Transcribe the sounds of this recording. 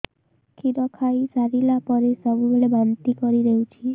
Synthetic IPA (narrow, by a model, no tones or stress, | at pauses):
kʰiɾɔkʰaisaɾilapɔɾesəbubeɭebant̪ikɔɾiɾəɦũt͡ʃʰie